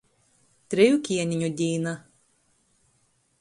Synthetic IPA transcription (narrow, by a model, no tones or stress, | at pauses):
t̪ʲɾʲɪjukʲiɛnʲiɲʲud̪ʲiːna